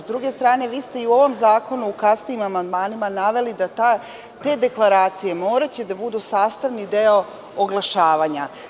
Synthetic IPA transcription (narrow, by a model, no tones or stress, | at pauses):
zd̪ɾuɡe̞st̪ɾaːne̞ʋiːst̪e̞iuo̞ʋo̞mzaːko̞nuːkasnijimamand̪maːnimanaʋe̞lid̪at̪a | t̪e̞ːd̪e̞klˠaɾaːt̪sije̞mo̞ːɾat͡ɕe̞d̪abud̪usaːst̪aʋnid̪eo̞ | oɡlˠaʃaːʋaɲa